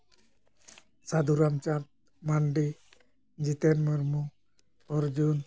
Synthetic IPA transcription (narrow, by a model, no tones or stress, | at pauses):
sad̪uɾamt͡ʃat̪̚ | maɳɖi | d͡ʒit̪enməɾmu | ɔɾd͡ʒun